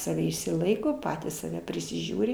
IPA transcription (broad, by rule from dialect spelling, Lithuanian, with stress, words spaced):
sɐˈʋʲɛ ɪʃʲsʲɪˈlˠɐɪkoː ˈpɑːtʲiːs sɐˈʋʲɛ pʲrʲɪsʲɪˈʒʲuːrʲɪ